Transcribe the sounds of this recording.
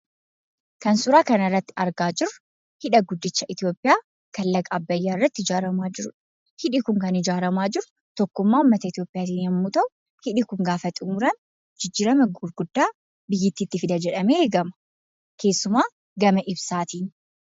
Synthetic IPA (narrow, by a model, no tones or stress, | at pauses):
kɐnsʊɾaːkɐnɐrːɐt̪ːɪ̥ɐɾɡaːd͡ʒɪɾʊ | hɪᶑɐɡʊd̪ːɪt͡ʃːɐʔɪt̪ɪjo̞ːpʼːɪjaː | kɐlːɐɡɐbːɐjːaːɪrːɐt̪ːɪd͡ʒaːɾɐmaːd͡ʒɪɾʊᶑ | hɪᶑɪkʊŋkɐnɪd͡ʒaːɾɐmaːd͡ʒɪɾʊ̥ | t̪ɔkːʊmːaːʊmːɐt̪ɐɪt̪ijo̞ːpʼɪjaːt̪iːnɐmːut̪ɐʔʊ | hɪᶑɪkʊŋɡaːfɐt̪ʼʊmʊɾɐn | d͡ʒɪd͡ʒːiːɾɐmɐɡʊɾɡʊd̪ːaː | bɪjːɪt̪ːiːt̪ːɪfɪd̪ɐd͡ʒɛᶑɐmeːheːɡɐmɐ̥ | kʰe̞ːsːʊmaː | ɡɐmɐʔɪbsaːt̪iːn